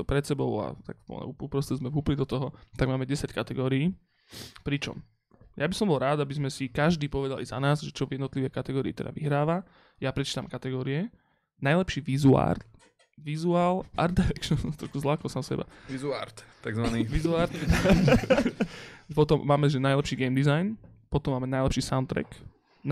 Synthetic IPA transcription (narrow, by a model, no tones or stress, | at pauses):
pɾɛt̪sɛbɔʊa̰t̪a̰kpɔ̰ɛ̰uupɾɔsɛzmɛvɦuplid̪ɔt̪ɔɦɔt̪aɡmaːmɛɟɛsackat̪ɛɡɔːɾiː | pɾit͡ʃɔ̰m | jabisɔmbɔlɾaːd̪abizmɛsikaʒd̪iːpɔʋɛd̪alḭza̰naːzʒɛt͡ʃɔvjɛd̪nɔt̪liʋɛjkat̪ɛɡɔːɾḭːt̪ɛ̰d̪a̰ʋḭɦɾaːʋa | japɾɛt͡ʃiːt̪amkat̪ɛɡɔːɾiɛ | najlɛpʃiːʋizua̰ːɾt̪ | ʋizuaːlʔa̰ɾt̪ɛɾɛkt͡ʃsɔt̪ɾɔʃkuzlakɔsaːmsɛ̰ba̰ʋizuaɾt̪t̪ːaɡzʋaniʋizuaɾt̪ | pɔt̪ɔmːaːmɛʒɛnajlɛpʃiːɡɛːmd̪izajn | pɔt̪ɔmːaːmɛnajlɛpʃiːsaʊnt̪ɾɛ̰k̪